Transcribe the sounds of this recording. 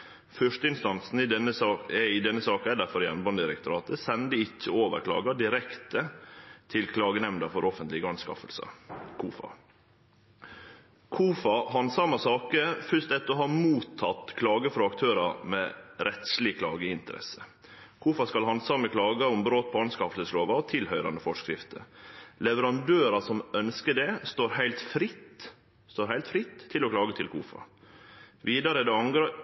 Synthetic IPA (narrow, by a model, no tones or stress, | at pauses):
fœʂʈəɪnst̪ɑnsn̩ɪd̪ɛnːəsɑɛɪd̪ɛnːəsɑːkɛd̪əfɔɾjɛ̰nbɑnd̪ɪɾɛ̰kt̪ʊɾɑːt̪əsɛnd̪əɪçːəoːʋə̰ɾkʰlɑ̰ːɡɑɖɪɾɛkt̪ət̪ʰɪlkʰlɑːɡənɛmnd̪ɑfɔɾʔɔfənt̪lɪɡəɑnskɑ̰fə̰lsə̰kʰuːfɑ̰ | kʰuːfɑhɑnsɑmɑsɑːkəfœst̪ɛt̪ːɔɦɑːmuːt̪ʰːɑt̪kʰlɑːɡəfɾuːɑkt̪ʰøːɾɑɾmɛɾɛt̪slɪkʰlɑ̰ːɡəɪnt̪əɾɛ̰sə | kʰuːfɑskɑlhɑnsɑməkʰlɑːɡɑʊmbɾoːt̪̚pʰɔɑnskɑft̪əsloːʋɑɔt̪ʰɪlhœʏɾɑ̰nd̪əfɔʂkɾɪ̰ft̪ʰə̰lɛʋəɾɑnd̪øːɾɑsɔmœnskəɖɛst̪oːɾhæɪlt̪fɾɪt̪ː | st̪oːɾhæɪlt̪fɾɪt̪ʰːɪlɔkʰlɑːɡət̪ʰɪlkʰṵːfɑ̰ | ʋiːd̪ɑɾəd̪ɛɑŋɡɾɑ